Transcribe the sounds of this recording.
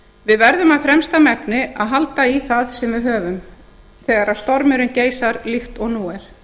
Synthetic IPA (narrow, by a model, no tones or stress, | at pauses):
vɪðvɛɾðʏmaðfɾɛmst̪amɛk̚nɪaðɦalt̪aiθaðsɛmvɪðɦœːvʏm | θɛːɣaɾaðst̪ɔɾmʏɾʏnceːjsaɾlixt̪ɔɣnuːɛɾ̥